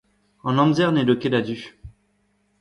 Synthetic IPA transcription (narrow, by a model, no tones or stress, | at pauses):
ɑ̃lɑ̃mzɛʁnɛd̪əkʲedad̪y